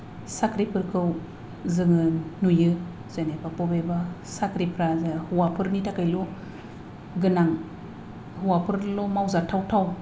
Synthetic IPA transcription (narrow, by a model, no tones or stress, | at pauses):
sakʰɾipʰɯɾkʰɯw | zɯŋɯnujɯ | z̥anepapɔbebasakɾipʰɾazahuwapʰɯɾnitʰakajlo | ɡɯnaŋ | huwapʰɯɾlomawzatʰawtʰaw